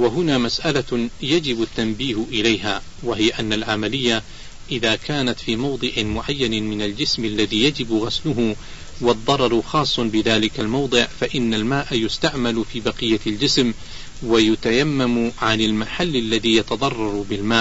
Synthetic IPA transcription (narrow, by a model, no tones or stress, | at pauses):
waɦʊnaːmasʔalajad͡ʒɪbʊt̪ːambiːhʔɪlajɦaː | waɦɪjaʔanːalʕamalɪjːa | ʔɪðaːkaːnat̪fiːmɑwd̪ˤɨʕɪmʊʕajːanɪmɪnald͡ʒɪsmalːaðiːjad͡ʒɪbɣaslʊɦʊ | wɑðˤːɑɾˤɑɾˤxɑːsˤːʊnbɪðaːlɪkalmɑwd̪ˤɨʕfaʔɪnːalmaːʔajʊst̪aʕmalfiːbɑqɨjːald͡ʒɪsm | wajʊt̪ajamːamʕanɪlmaħalːalːaðiːjɑt̪ɑd̪ˤɑrˤːɑɾˤbɪlmaːʔ